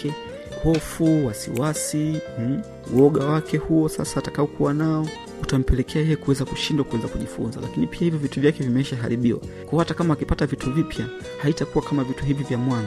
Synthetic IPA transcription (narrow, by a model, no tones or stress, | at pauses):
ɛ | hɔfuwasḭwasi | ṵɔɠawakɛhuɔsa̰saːtakaɔkuwanaɔ | utam̩pɛlɛkʰɛajɛjɛkuwɛzakuʃindwakuwɛzakuʄifunza̰la̰kinipiahivjɔvituvjakɛvimɛiʃaɦa̰ɾiɓiwa̰kwaɔhatakamaːkipatavituvipʰja | haitakuwakamavituɦivivjamwana